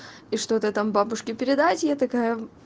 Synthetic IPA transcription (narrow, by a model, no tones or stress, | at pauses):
iʂt̪o̞t̪ət̪ambabʊʂkʲɪpʲɪɾʲɪd̪atʲjat̪ɐkajə